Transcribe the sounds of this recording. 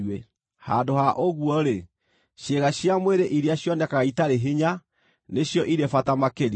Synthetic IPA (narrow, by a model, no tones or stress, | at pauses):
e | ha̰ndohaʔoɣwɔɾe | ʃeɣaɕjamweɾeʔiɾeaɕjɔnɛkaɣaitaɾeɦeɲa | neɕjɔʔiɾefatamakeɾi